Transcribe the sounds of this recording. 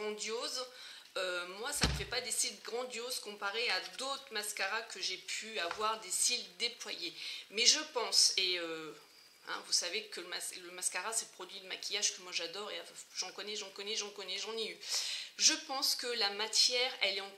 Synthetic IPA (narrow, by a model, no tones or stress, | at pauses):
ɑ̃d̪joz | ømwasaməfɛpad̪esilɡʁɑ̃d̪jozkɔ̃paʁead̪ot̪χmaskaʁakəʒepʰyavwaʁd̪esild̪eplwa̰jemɛʒəpɑ̃seø | ɛ̰̃vusavekələmasləmaskaʁasɛpχɔd̪ɥid̪əma̰kʲijaʒkəmwaʒad̪ɔʁeaʒɑ̃kɔnɛʒɑ̃kɔnɛʒɑ̃kɔnɛʒɑ̃nɛyʒəpɑ̃skəlamat̪jɛʁɛlɛɑ̃